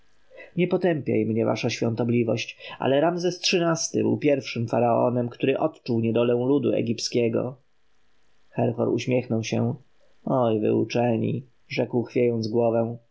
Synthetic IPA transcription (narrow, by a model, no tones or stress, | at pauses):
ɲɛpɔt̪ɛmpʲja̰jmɲɛva̰ʂaɕfʲɔnt̪ɔblʲivɔɕt͡ɕʔa̰lɛɾamzɛstʂɘnast̪ɘbɘ̰wpʲjɛɾfʂɘmfaɾaɔ̰nɛmkt̪uɾɘʔɔt̪t͡ʂuwɲɛd̪ɔlɛ̃w̃lud̪ṵɛ̰ɡʲipskʲɛɡɔ̰ | xɛɾxɔɾuɕmʲjɛxnɔwɕɛ̰ | ɔjvɘ̰ut͡ʂɛɲḭ | ʐɛkwxfʲjejɔnd̪zɡwɔvɛ̃